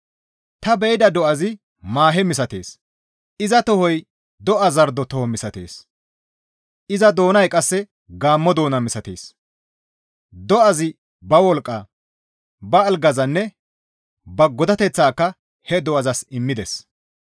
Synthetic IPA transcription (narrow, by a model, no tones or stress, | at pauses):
t̪ɐbɛjd̪ɐd̪ɔʔɐzɪ | maːɦɛmɪsɐt̪e̞̰ːs | ɪzɐt̪ɔhɔj | d̪ɔʔɐzɐɾd̪ɔt̪ɔhɔmɪsɐt̪e̞̰ːs | ɪzɐd̪o̞ːnɐjkʼɐsːɛ | ɡaːmːɔd̪o̞ːnɐmɪsɐt̪eːs | d̪ɔʔɐzɪ | bɐwɔlkʼːɐː | bɐːlɡɐzɐnːɛ | bɐɡɔd̪ɐt̪ɛt͡sːaːkːɐ | hɛd̪ɔʔɐzɐsɪmːɪd̪ɛs